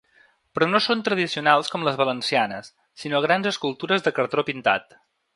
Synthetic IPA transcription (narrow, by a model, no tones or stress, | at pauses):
pɾɔnosont̪ɾəð̞isiunalˠskɔmləzβələnsianəsː | inoɣ̞ɾanzəskulˠt̪uɾəzðəkəɾt̪ɾopint̪a̰t̪